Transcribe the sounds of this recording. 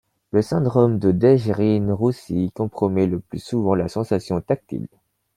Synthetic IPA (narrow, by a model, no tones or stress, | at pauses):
ləsɛ̃d̪ʁɔmd̪əd̪ɛʒʁinʁusikɔ̃pχɔmɛləplysuvɑ̃lasɑ̃sasjɔ̃t̪ak̚t̪ḭl